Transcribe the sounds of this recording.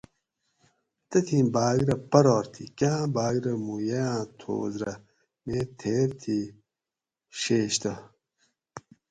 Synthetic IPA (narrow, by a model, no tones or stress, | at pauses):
t̪ɐt̪ʰĩːbaːɡɾɐpɐɾoːɾt̪ʰikãːbaːɡɾɐmujejãːt̪ʰo̰ːzɾɐ | meːt̪ʰeːɾt̪ʰi | ɕeːɕt̪ɐ